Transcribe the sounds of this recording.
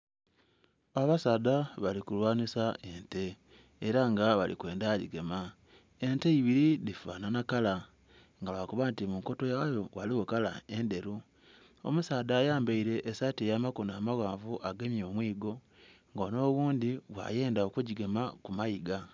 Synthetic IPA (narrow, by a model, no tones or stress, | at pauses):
aβasadaβalikulwaːnisaʔe̞nte̞ː | ɾaŋɡaβa̰lḭkwe̞ːndaɟḭɡe̞ma | enteiβiɾiðifa̰ːnanakala | ŋɡalakoβantimuŋko̞tojajowaliwokala̰e̞nde̞ɾu | o̰musaːdaːjaːmbaiɾe̞ʔːsatijamakonaːmaɣaːɱvuʔaɡemjo̞ːmwiːɡo̞ | ŋɡoːno̞ːβuːndiβwa̰je̞ːndaokuɟiɡe̞makumaiɡa